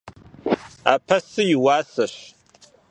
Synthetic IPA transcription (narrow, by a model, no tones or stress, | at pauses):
a̰ːpʰɐsɨjɪwaːsɐɕ